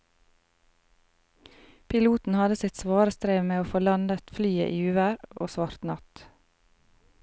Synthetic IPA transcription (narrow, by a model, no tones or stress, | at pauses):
pʰɪluːt̪n̩hɑd̪əsɪt̪sʋɑːɾəst̪ɾeːʋmeːoːfoːlɑnd̪ət̪flyːə̰ʔiːʉːʋəɾʔo̰ːsʋɑɾt̪nɑt̪